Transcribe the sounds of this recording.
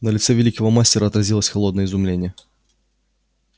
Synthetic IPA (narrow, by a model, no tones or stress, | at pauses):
nəlʲɪt̪sɛvʲɛlʲikəvəmasʲtʲɪɛɾəɐt̪rɐzʲilˠəsʲxalˠɔd̪nəjizʊmlʲenʲɪjə